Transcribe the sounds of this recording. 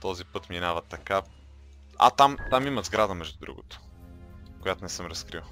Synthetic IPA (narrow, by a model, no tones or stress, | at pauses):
t̪ɔzipɤt̪minavɐt̪ːɐka | a̰t̪amt̪amimɐzɡɾad̪əmɛʒd̪ud̪ɾṵɡo̰t̪o̥ | kojat̪onɛsəmɾɐskɾiwˠ